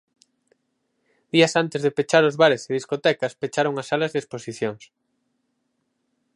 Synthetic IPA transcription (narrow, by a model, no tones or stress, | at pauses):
d̪̥iɐsant̪ezðepet͡ʃaɾʊzβaɾeseðiskot̪ɛkɐspet͡ʃaɾoŋasalɐzðesposiθjoŋs